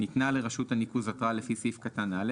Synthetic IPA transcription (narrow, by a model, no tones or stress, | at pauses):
it̪nale̞ʁaʃuthanikuzatʁale̞fisifkatanale